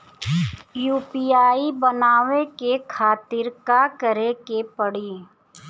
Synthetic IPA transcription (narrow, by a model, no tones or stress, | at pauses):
juːpiaːibənaːʋekekʰaːt̪ɪɾkakəɾekepəɽiː